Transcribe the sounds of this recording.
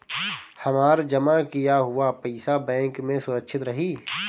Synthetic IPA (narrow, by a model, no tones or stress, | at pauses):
hɐmaːɾd͡ʒɐmakijaɦʊapɛɪsabɛ̃ːŋkmẽsʊɾəkʃʰɪt̪ɾɐɦiː